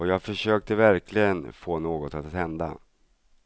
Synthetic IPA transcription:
ɔjaːɡfœʂøːk̚t̪əvæɾkʰlɪɡənfoːnoːɡɔt̪at̪hɛnd̪a̰

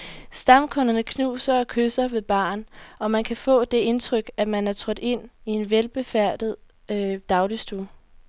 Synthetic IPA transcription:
sd̥ɑ̈mkʰɔ̽nɐnəkʰnṵːsɐɒ̽kʰøsɐʋe̝b̥ɑ̰̈ːnɒ̽mænkʰæfɔ̰̽ːd̥e̝e̝nt͡sʰʁœɡ̥æmænæɐt͡sʰʁɒ̽d̥e̝n̰ie̝nʋelb̥e̝fæɐ̰d̥ð̞̩ˠ | ød̥ɑ̈ʊlisd̥uɐ

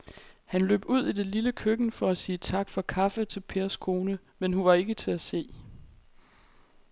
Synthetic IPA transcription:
hænlø̰ːb̥uð̰ˠid̥e̝liləkʰøɡ̥n̩fɒ̽æsiːt͡sʰɑ̈ɡ̥fɒ̽kʰɑ̈fət͡sʰe̝lpʰe̝ɐskʰo̝ːnə | menhuʋɑ̈e̝ɡ̥ət͡sʰe̝æse̝̰ː

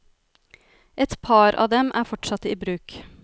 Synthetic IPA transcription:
ʔɛt̪pʰɑːɾʔɑ̰ːd̪ɛmʔæːɾfɔʈʃɑt̪əiːbɾʉːk

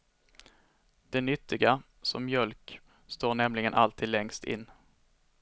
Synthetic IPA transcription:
d̪̥ɛnʏt̪ːɪɡa | sɔmːjœlk | st̪oːɳɛmlɪɡənʔalt̪ʰiːd̪lɛŋst̪ɪ̰nː

